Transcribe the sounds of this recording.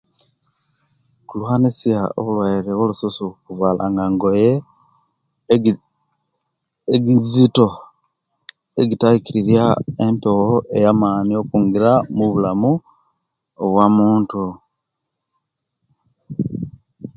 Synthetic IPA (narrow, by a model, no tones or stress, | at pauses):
kuluhanisjao̰βulwaiɾewolususukuvwaːlʔaŋɡaŋɡo̞je | eɡizito̞ | eɡitajikiɾiɾjaempooʔe̞jaːmaːnio̞kuːŋɡiɾamuβulamu | oβwamuːntu